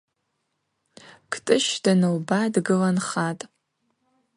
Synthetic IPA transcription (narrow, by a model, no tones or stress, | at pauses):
kʰtʼɨʃdanɨwbadɡɨlanχatʼ